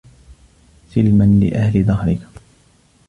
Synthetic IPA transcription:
sɪlmanlɪ̰ʔahlɪd̪ˤɑhɾɪk

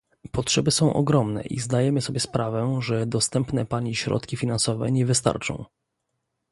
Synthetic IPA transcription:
pɔtʂɛbɘsɔ̃w̃ʔɔ̰ɡɾɔmnɛ̰ʔḭzd̪ajɛmɘsɔbʲjɛspɾavɛʐɛd̪ɔst̪ɛmpnɛpaɲiɕɾɔ̰t̪kʲifʲinansɔvɛ̰ɲɛvɘst̪a̰ɾt͡ʂɔ̰̃w̃

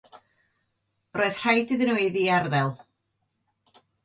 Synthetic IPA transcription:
roːɨð̥r̥ajdɨðənwejðiarðɛlˠ

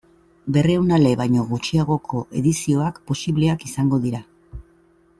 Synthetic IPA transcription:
be̞rewnale̞βajɲo̞ɣut͡ʃiaɣ̞o̞kʰo̞ʔe̞ðisio̞akpo̞siβle̞akisaŋɡo̞ðiɾa

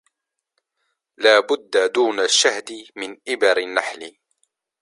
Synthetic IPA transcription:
laːbʊd̪ːad̪uːnaʃːahd̪ɪmɪnʔɪbɑɾɪnːaħlɪ

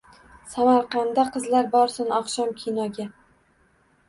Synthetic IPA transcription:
samaɾqʰɑnd̪aqʰɨzlaɾbɒɾsɪnɒqʃɒmkʲʰinɒɡʲa

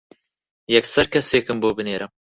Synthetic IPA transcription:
jɛksɛɾkʰɛseːkɨmboːbɨneːɾɐm

